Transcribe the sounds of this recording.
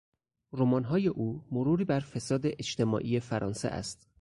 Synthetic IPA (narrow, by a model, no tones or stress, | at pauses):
ɾomɒːnɦɒːje̞ʔuːmoɾuːɾiːbæɾfe̞sɒːd̪eʔet͡ʃt̪ʰe̞mɒ̰ːʔije̞fæɾʔɒːnsḛʔæ̰st̪